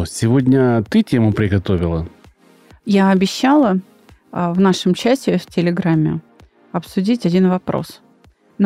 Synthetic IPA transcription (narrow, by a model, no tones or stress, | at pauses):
sʲɪvodʲnʲət̪ɨtʲemʊpɾʲɪɡɐt̪o̞vʲɪlˠə | jaɐbʲɪɕːalˠə | vnaʂɨmt͡ɕæsʲɪftʲɪlʲɪɡɾamʲːɪ̰ | ɐpsʊdʲitʲɐdʲinvɐpɾo̰s | n